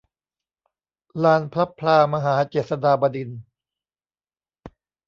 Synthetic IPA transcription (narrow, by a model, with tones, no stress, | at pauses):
laː˧npʰla˦˥pʰlaː˧maː˧ɦaː˩˦t͡ɕeː˨˩t̪̚sa˧daː˧ba˧di˧n